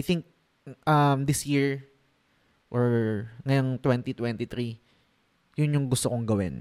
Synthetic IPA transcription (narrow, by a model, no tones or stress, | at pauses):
ajt̪iŋk̚ | ʔɐmd̪ɪsjiɹ | ʔoɹŋɐjont̪wɛnt̪it̪wɛnt̪it̪ɾi | jʊnjʊŋɡʊst̪okoŋɡɐwɪ̰n